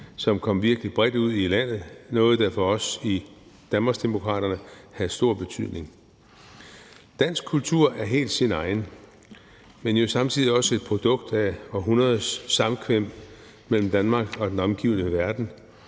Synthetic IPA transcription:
sɒ̽mkʰɒ̽m̰ʋiɐɡ̥əlib̥ʁɛd̥uð̞̰ˠilæn̰ð̞̩ˠnɔ̽ːð̞̩ˠd̥ɑfɒ̽ɒ̽si | d̥ænmɑ̈sd̥e̝mo̝kʰʁɑ̰̈ːɾ̥ɐnəhæðˠsd̥o̝ɐ̰b̥e̝t͡sʰyð̰ˠne̝ŋ | d̥æn̰sɡ̥̚kʰult͡sʰuɐ̰æɐɦe̝̰ːld̥sinɑ̈ɪn | menjo̝sɑ̈mt͡sʰið̰ˠiɒ̽səe̝d̥̚pʰʁo̝d̥ɔ̽ɡ̥d̥æɒɦunɐðˠsːɑ̈mkʰʋem̰ | mel̰m̩d̥ænmɑ̈ːɡ̥ɒ̽d̥enɒ̽mɡ̥ḭʊ̰nəʋæɐd̥n̩

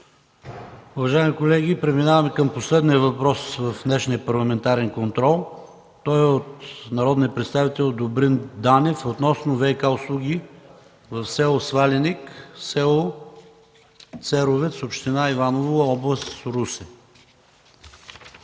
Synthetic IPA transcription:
ʊvɐʒaimikolɛɡʲipɾɛminavɐmɛkəmposlɛd̪niəvɐpɾɔsvəfd̪nɛʃniəpɐɾlˠɐmɛnt̪aɾɛnkont̪ɾɔlˠ | t̪ɔjot̪nɐɾɔd̪nijəpɾɛt̪st̪avit̪ɛlˠd̪obɾind̪anɛfot̪nɔsnovɛjkaʊslˠuɡʲi | vəfsɛlˠosvaliniksɛlˠo | t̪sɛɾovɛt̪sopʃt̪inaivanovoəɔblˠəst̪sɾusɛ

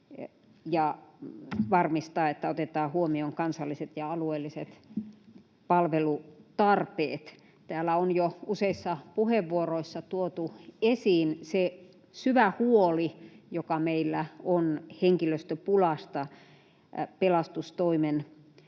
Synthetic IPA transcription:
jɑ | ʋɑrmist̪ɑːet̪ːæot̪et̪ɑːhuomioŋkɑnsɑlːiset̪jɑɑlueːlːiset̪ | pɑlʋelut̪ɑrpḛːt̪ | t̪æːlːæonjouseisːɑpuheʋːuoroisːɑt̪uot̪uesiːnse | syʋæhuolijokɑmeilːæonheŋkiløst̪øpulɑst̪ɑ | pelɑst̪ust̪oimen

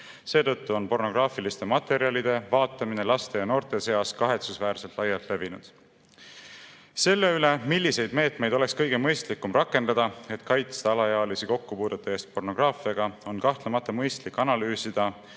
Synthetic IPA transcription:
se̞ːt̪ɤ̞t̪ːuo̞npo̞rno̞ɡ̥rɑːfilist̪e̞mɑt̪ːe̞ɾiɑlid̪̥e̞vɑːt̪ːˑɑmine̞lɑst̪e̞jɑno̞ːrt̪ˑe̞se̞ɑskɑɦe̞t̪susvæːrselt̪lʔɑjːɑlt̪le̞vinud̪̥ | se̞lːe̞yle̞milʲːise̞jd̪me̞ːt̪me̞jd̪̥o̞le̞kskɤ̞jɡ̥e̞mɤ̞jst̪likːˑumrɑkːˑe̞nd̪̥ɑd̪̥ɑe̞t̪kɑjt̪st̪eɑlɑjɑːlisiko̞kːupuːd̪̥ut̪ːˑɑe̞ːst̪̚po̞rno̞ɡ̥rɑːfiɑɡ̥ɑo̞nkɑht̪lemɑt̪ːˑɑmɤjst̪likːˑɑnɑlyːsid̪̥ɑ

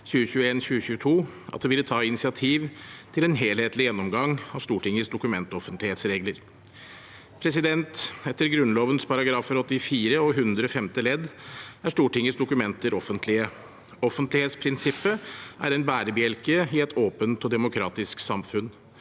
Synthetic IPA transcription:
çʉːəçʉːəeːnɕʉːɕʉːət̪ʰuː | ʔɑ̰t̪d̪ɛʋɪlːət̪ʰɑːɪnɪsɪɑt̪ʰiːʋt̪ʰɪlɛnɦeːlheːt̪lɪjɛnːɔmɡɑŋːɑʋʂt̪uːʈɪŋːəsd̪ʊkʉmɛnt̪ɔfənt̪lɪheːt̪sɾeːɡləɾ | pʰɾɛs̬ɪd̪ɛnt̪ɛt̪ːəɾɡɾʉnloːʋənspʰɑɾɑɡɾɑːfəɾɔt̪ːɪfiːɾəɔɦʉnd̪ɾəɔfɛmt̪ɪlɛd̪æʂʈuːʈɪŋːəsd̪ʊkʉmɛnt̪əɾɔfənt̪ʰlɪə | ɔfənt̪lɪheːt̪spʰɾɪnsɪpːəʔæ̰ɾɛnbæːɾəbɪɛlkəɪɛt̪ʰoːpənt̪ɔd̪ɛmʊkʰɾɑːt̪ɪsksɑmfʉn

